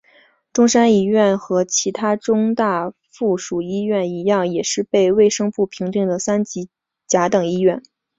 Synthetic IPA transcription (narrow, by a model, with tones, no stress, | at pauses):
ʈ͡ʂʊ˥ŋʂa˥ni˧˥ɥɛ˥˩nxɤ˧˥t͡ɕʰi˧˥t̪ʰa˥ʈ͡ʂʊ˥ŋt̪a˥˧ | fu˥˩ʂu˨˩i˥ɥɛ˥˩ni˧˥jɑ˥˩ŋjɛ˨˩ʂɻ̩˥˧pe˥˧ɪwe˥˩ɪʂɤ˥ŋpu˥˩pʰi˧˥ŋt̪i˥˩ŋd̪ə˩sa˥nt͡ɕi˧˥ | t͡ɕja˧˥t̪ɤ˨˩ŋi˥ɥɛ˥˩n